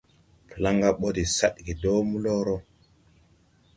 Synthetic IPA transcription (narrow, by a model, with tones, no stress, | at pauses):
pla˦ŋɡa˦ɓo˦di˨sa˦ɗɡi˨do˦mu˦lɔ˦ɾɔ˦